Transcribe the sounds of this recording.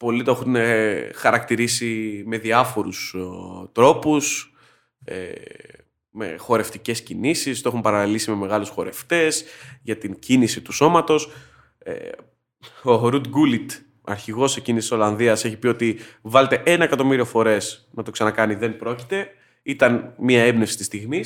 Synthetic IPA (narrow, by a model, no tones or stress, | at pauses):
po̞lit̪oexunexɐɾɐk̚t̪iɾisime̞ðiɐfo̞ɾust̪ɾo̞pus | ḛ | me̞̰xo̞ɾe̞ft̪ice̞scinisist̪oeumpɐɾɐlisime̞me̞ɣɐlusxo̞ɾe̞̰ft̪e̞sʝɐt̪iɲcinisit̪uso̞mɐt̪o̞s | ḛ | o̞ɾud̪ɡulit̪ | ɐ̰ɾçiɣo̞se̞cinisi̥so̞lɐnðiɐse̞çipio̞t̪ivɐlet̪e̞ʔenɐekɐt̪o̞miɾio̞fo̞ɾe̞snɐt̪o̞ksɐnɐkɐniðe̞npɾo̞ci̥t̪e̞ | it̪ɐnmiɐebne̞fsi̥t̪ist̪iɣmi